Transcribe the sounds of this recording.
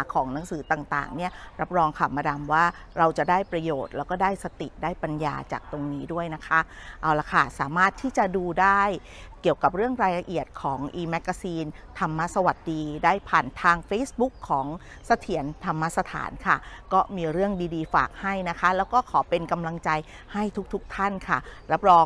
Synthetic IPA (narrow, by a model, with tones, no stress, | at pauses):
kʰɔː˩˦ŋna˩˦ŋsɯː˩˦t̪aː˨˩ŋt̪a̰ː˨˩ŋni˥˩ɐɾa˦˥p̚ɾɔː˧ŋkʰa˧˩maː˧da˧mwaː˥˩ | ɾa˧wt͡ɕa˨˩daː˥˩jpɾa˧joː˨˩t̪̚lɛː˦˥wkɔː˥˩daː˥˩jsa˧t̪ḭ˨˩daː˥˩jpa˧nja̰ː˧t͡ɕa̰ː˨˩k̚t̪o˧ŋniː˦˥du˥˩əjna˦˥kʰa˦˥ʔa˧wla˧˩kʰa˥˩saː˩˦maː˥˩t̪ʰiː˥˩t͡ɕa˨˩duː˧daː˥˩j | ki˨˩əwka˨˩p̚ɾɯ˥˩əŋɾaː˧jla˧ʔi˨˩ət̪̚kʰɔː˩˦ŋʔiː˧mɛ˦˥kːa˧siː˧n | t̪ʰa˧mːa˦˥sa˧wa˨˩t̪̚diː˧daː˥˩jpʰaː˨˩nt̪ʰaː˧ŋfeː˦˥sbu˦˥kʰːɔː˩˦ŋ | sa˧t̪ʰi˩˦ənt̪ʰa˧mːa˦˥sa˧t̪ʰa̰ː˩˦nkʰa˥˩kɔː˥˩miː˧ɾɯ˥˩əŋdiː˧diː˧fa̰ː˨˩k̚ha˥˩jna˦˥kʰa˦˥lɛː˦˥wkɔː˥˩kʰɔː˩˦pe˧nka˧mla˧ŋt͡ɕa˧j | ha˥˩jt̪ʰu˦˥k̚t̪ʰu˦˥k̚t̪ʰa˥˩nkʰa˥˩ɾa˦˥p̚ɾɔː˧